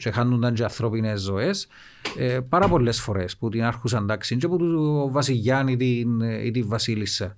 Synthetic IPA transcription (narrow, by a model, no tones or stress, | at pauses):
t͡ʃexɐnːund̪ɐnt͡ʃeɐθɾo̞pinezːoes | epɐɾɐpo̞lːesfoɾesput̪inɐɾxus̬ɐnd̪ɐksint͡ʃeput̪uvɐsiʝːɐnit̪inḭt̪iɱvɐsilisːɐ